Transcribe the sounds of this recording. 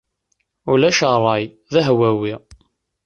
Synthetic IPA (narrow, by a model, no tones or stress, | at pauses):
ulæʃəɾˤɑj | ðæɦwæwi